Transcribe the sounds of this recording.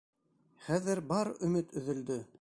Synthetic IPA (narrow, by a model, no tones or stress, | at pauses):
χæðɘɾbɑɾɵ̆mɘt̪ʰɵ̆ðɵ̆ld̪ɵ